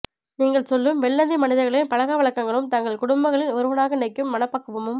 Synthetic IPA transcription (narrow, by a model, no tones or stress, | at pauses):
niːŋɡɐɭsɔlːɯmʋɛɭːɐnd̪imɐnɪðɐɾɣɐɭɪnpɐɻɐɣaːʋɐɭɐkːɐŋɡɐɭɯmt̪ɐŋɡɐɭkʊɽʊmbɐɣɐɭɪnɔɾɯʋɐnaːɣɐnɐɪkːɯmːɐnɐpːɐːkːɯʋɐmɯm